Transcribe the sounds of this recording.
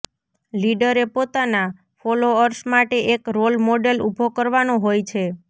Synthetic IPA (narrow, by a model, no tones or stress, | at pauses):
liɖəɾepot̪ana | foloəɾsmaʈeʔekɾolmoɖelubʱokəɾʋanoɦojt͡ʃʰe